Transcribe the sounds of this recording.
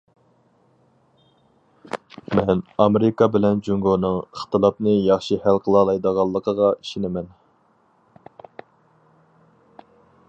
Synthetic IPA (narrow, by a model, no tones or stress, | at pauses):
mɛnɑmeɾɪkɑbɪlɛnd͡ʒuŋɡonɨŋəχt̪ɨlˠɑpnɨjɑχʃihælqʰəlˠɑlˠɑjd̪əʁɑlˠːəqʰəʁɑiʃinɪmɛn